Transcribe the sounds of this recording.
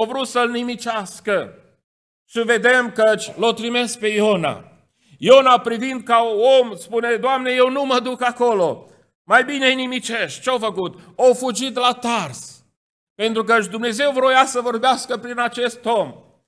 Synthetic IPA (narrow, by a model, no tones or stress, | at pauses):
owvɾut̪səlnimit͡ʃeaskə | ʃived̪e̞mkət͡ʃʲlot̪ɾime̞sk̚pe̞jona̰ | jonapɾivind̪̚kauomspune̞d̪oamne̞je̞wnuməd̪ukako̞lo̞ | majbine̞jnimit͡ʃe̞ʃt̪̚t͡ʃeawfəkut̪owfud͡ʒit̪lat̪ars | pe̞nt̪ɾuk̬əɨt͡ʃʲd̪umne̞ze̞wvɾojasəvo̞rbeaskəpɾinat͡ʃe̞st̪o̞m